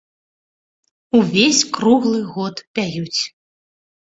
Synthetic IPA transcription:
uvʲesʲkɾuɣlˠɨɣɔt̪pʲajut͡sʲ

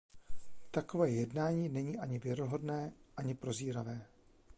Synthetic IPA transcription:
t̪akovɛːjɛdnaːɲiːnɛɲiːʔaɲɪvjɛɾoɦo̞dnɛːʔaɲɪpɾo̞ziːɾavɛː

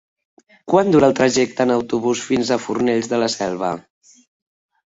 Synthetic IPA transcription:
kwand̪uɾəːlˠt̪ɾəʒɛk̚t̪ənəwt̪uβusfinzəfurneʎzðələsɛlˠβ̞ə̰

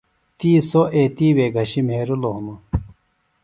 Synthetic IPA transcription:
t̪iːsoʔeːt̪iːweːɡʱɐɕim̤eːɾuloɦunu

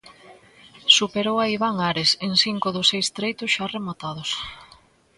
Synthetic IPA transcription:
supeɾowaiβaŋaɾeseŋsiŋkʊðʊsejst̪ɾejt̪ʊsʃaremat̪að̞ʊs

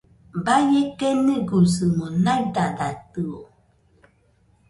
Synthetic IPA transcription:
bajekeniɡuzɨmonajdadatɨo

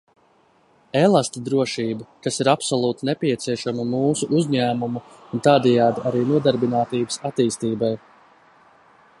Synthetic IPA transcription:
elˠast̪id̪ɾuɔʃiːbakasiɾapsɔlˠuːt̪inɛpʲiɛt̪siɛʃamamuːsuʔuzʲɲæːmumu | unt̪ɑːd̪ɛjaːd̪iaɾiːnuɔd̪aɾbinaːt̪iːbsat̪iːst̪iːbaj

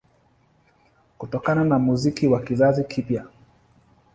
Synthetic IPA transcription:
kutɔkananamuzikiwakizazikʰipja

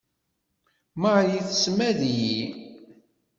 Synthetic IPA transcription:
maʕjiθsmæðiji

